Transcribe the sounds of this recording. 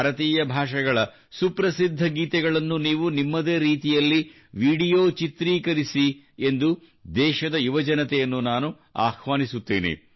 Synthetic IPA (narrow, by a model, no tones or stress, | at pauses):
ɾɐt̪iːjɐbʱaːʂɐɡɐɭɐ | supɾɐsid̪ʱːɐɡiːt̪ɛɡɐɭɐnːuniːʋunimːɐd̪eːɾiːt̪ijɐlːi | ʋiːɽijoːt͡ʃit̪ɾiːkɐɾisi | end̪u | d̪ɛːʃɐd̪ɐjuʋɐd͡ʒɐnɐt̪ɛjɐnːunaːnu | a̰ːxʋaːnisut̪ːḭːnḛ